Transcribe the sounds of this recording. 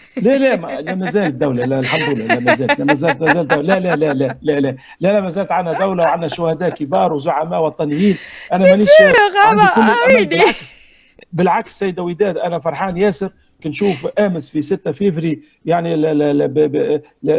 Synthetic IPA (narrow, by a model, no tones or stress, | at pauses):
lælæmlæmæzæːld̪ːawlælælħamd̪ʊlːælæmæzæːlt̪læmæzæːlt̪mæzæːld̪ælælælælælælæ | lælæmæzæːlt̪ʕanhæd̪awlawʕanːhæʃʊhæd̪æːʔkəbɑːɾˤwzʊʕamæːʔwɑt̪ˤɑnɪjːiːnʔænæmæniːʃʕanikʊlːʔæmænbɪlʕaks | bɪlʕaksːæjːd̪æwid̪æːd̪ʔænæfɑɾˤħɑːnjæːsəɾ | kɪnʃuːfʔæːməsfisɪt̪ːæfifɾi | jaʕnilb